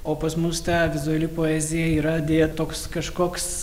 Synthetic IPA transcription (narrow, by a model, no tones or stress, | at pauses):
oːpɐsmʊst̪ɑːʋʲɪzʊɐlʲɪpoːɛːzʲɪjɛiːɾɐd̪ʲeːɛt̪oːkskɐʃkoːks